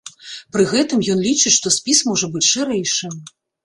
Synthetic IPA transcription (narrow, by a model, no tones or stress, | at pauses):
pɾɨɣɛt̪ɨmjɔnlʲit͡ʂɨʂt̪ɔsʲpʲismɔʐɐbɨt͡sʲʂɨɾɛjʂɨ